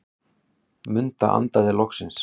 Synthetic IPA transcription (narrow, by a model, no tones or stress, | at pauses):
mʏnt̪a̰ʔa̰nt̪aðɪlɔhksɪns